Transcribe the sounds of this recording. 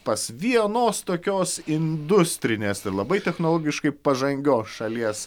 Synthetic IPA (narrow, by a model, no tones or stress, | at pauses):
pɐsʋʲiɛnoːst̪oːkʲoːsɪnd̪ʊsʲt̪ʲɾʲɪnʲeːsɪɾlˠɐbɐɪt̪ʲɛxnoːlˠoːɡʲɪʃkɐɪpɐʒɐŋʲɡʲoːsʃɐlʲiɛs